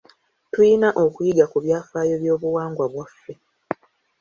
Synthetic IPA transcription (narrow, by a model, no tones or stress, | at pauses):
tujinaʔo̞kujiɡakuβjaːfaːjo̞βjo̞ːβuwaːŋɡwaβwafːe